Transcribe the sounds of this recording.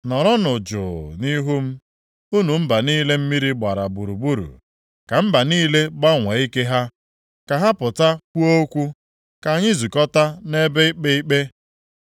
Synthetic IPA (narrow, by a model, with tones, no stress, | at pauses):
nɔ˨ɾɔ˦nʊ˨d͡ʒʊ̰˨ni˦ɦu˦m̩˦ | u˦nu˨m̩˦ba˨niː˦le˦m̩˦mi˦ɾi˦ɡ͡ba˨ɾa˨bu˨ɾu˨bu˦ɾṵ˨ | ka˨m̩˦ba˨niː˦le˦ba˦ŋʷe˨i˦ke˦ɦa˦ | ka˨ɦa˦pʊ˨ta˦kʷu˦o˦kʷu˦ | ka˨ɲɪ˦zu˨kɔ˦ta˦ne˦be˦i˦k͡pe˦i˦k͡pe˦